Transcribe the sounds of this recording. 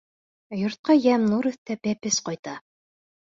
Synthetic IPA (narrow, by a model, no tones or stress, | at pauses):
jŏɾt̪̚qɑjæmnuɾɵ̆θt̪æpæpɘsqɑjt̪ɑ